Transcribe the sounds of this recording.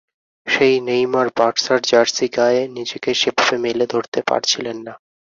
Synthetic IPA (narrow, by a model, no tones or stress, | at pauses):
ʃejnejmaɾbaʈsaɾd͡ʑaɾsiɡaenid͡ʑekeʃepbemeled̪ʱoɾt̪epa̰ɾt͡ɕʰilenːa